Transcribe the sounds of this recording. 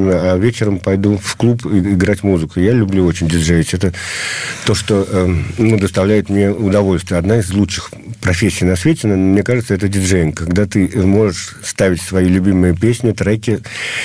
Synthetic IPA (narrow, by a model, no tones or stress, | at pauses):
məavʲet͡ɕɪɾəmpɐjd̪ufklˠupɪɪɡɾatʲmuzɨkʊjalʲʊblʲuo̞t͡ɕɪnʲdʲɪʐeɪtʲɛt̪ət̪o̞ʂt̪onud̪əst̪ɐvlʲæjɪt̪mnʲe̞ʊd̪ɐvo̞lʲst̪vʲjəɐd̪naɪzlˠutt͡ʂʂɨ̥x | pɾɐfʲesʲːijnɐsvʲet͡ɕʲɪnənmnʲe̞kaʐɨt̪səɛt̪ədʲɪʐejɪŋkaɡd̪at̪ɨmo̞ʐɨʂ | st̪avʲɪtʲsvɐjilʲʉbʲimɨjəpʲesʲnʲɪt̪ɾɛkʲɪ